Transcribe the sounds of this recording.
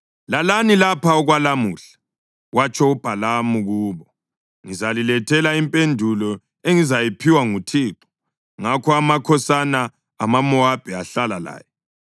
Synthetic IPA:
lalanilapʰaɔɣwalamuːɬḁ | ɣwat͡ʃʰʼɔub̥ʱalamuɣuːβɔ | ŋizalilɛtʰɛlaimpʼendʱulɔ | eŋizajipʰiwaŋutʰiːǁɔ̥ | ŋakʰɔamakʰɔsanaː | mamɔab̥ʱɛaɬalala̰ːjɔ

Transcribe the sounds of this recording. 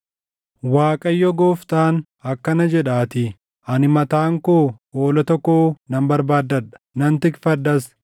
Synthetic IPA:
waːkʼɐjːɔɡoːft̪aːn | ɐkːɐnɐd͡ʒɛᶑaːt̪ɪ | ʔɐnɪmɐt̪aːŋkoːoːlɐt̪ɔkːoːnɐmbɐɾbaːd̪ːɐᶑɐ̥nɐnt̪ɪkfɐd̪ːɐs

